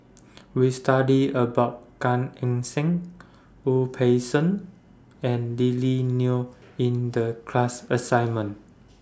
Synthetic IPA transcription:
wistadiəbaʊt̚kãnɛ̃ŋsɛ̃ŋ | upʰesə̃n | ɛ̃nlilinu | ĩndəkʰlasəsãjnmə̃n

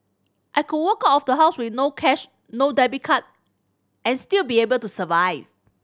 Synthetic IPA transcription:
ʔajkud̚wəkatɔfdəɦaʊswɪθnokʰɛʃ | nodɛbikʰat̚ | ʔɛ̃nstilbiebəltusəvaɪv

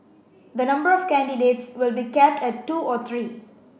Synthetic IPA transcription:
d̪ənʌ̃mbəɾɔfkæ̃nɖiɖeːʈsʋɪlbikɛp̚ʈɛʈːuːɔt̪ʰɾiː

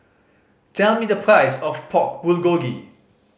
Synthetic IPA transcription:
tʰɛlmidəpʰɹaɪsɔfpʰɔk̚b̥ulɡoɡḭ

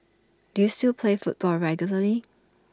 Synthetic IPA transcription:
d̥ujustilˠpʰlefut̚b̥ɔlɹɛɡjuləli

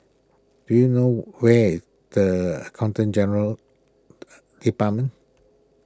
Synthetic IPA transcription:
d̥ujunowɛ | dəə̰kʰãw̃ntə̃nd͡ʒɛnəɹəl | d̥ipat̚mə̃n

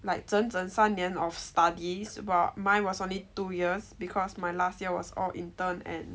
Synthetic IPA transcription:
laɪk̚d͡ʒə̃nzə̃nsãnɛ̃nɔfstadisbatmãjnwɔsõnlitujiəsbikʰɔsmajlast̚jiəwɔ̰sɔ̰lḭ̃ntə̃nɛ̰̃n

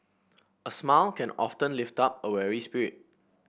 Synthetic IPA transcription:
əsmalkʰɛ̃nɔ̰ftə̃nliftap̚əwɛɹispiɹit̚

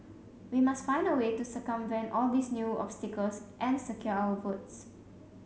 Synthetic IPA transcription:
wimastfãj̃ndəwetusəkə̃mvɛ̃nʔɔldisnjuɔ̰pstikəlsʔɛ̃nsəkjɔawəfuts

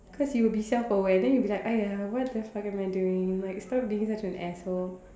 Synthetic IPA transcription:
kʰɔsjuwəbisɛlfəwɛ̃ndɛ̃njubilaɪkajawɔt̚dɛfakɛ̃maɪduɪ̃ŋlaɪkstɔp̚duɪ̃ŋsatə̃nʔɛso

